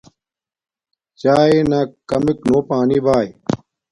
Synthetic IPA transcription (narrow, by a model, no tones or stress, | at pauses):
t͡ɕaːenaːkɐmiknoːpaːniːbaːj